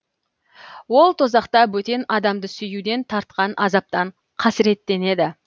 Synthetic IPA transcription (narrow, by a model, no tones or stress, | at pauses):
wo̞lˠt̪ʰo̞zɑqt̪ɑwɵt̪e̞nɑd̪ɑmd̪əsʏjud̪e̞nt̪ʰɑɾt̪qɑnʔɑzɑp̚t̪ɑɴ | qʰɑsɪɾe̞t̪ːe̞ne̞d̪ɪ